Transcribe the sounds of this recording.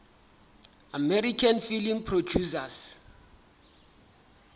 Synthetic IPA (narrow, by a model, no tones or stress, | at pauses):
amɛɾikʰanfilimpʰrod͡ʒusas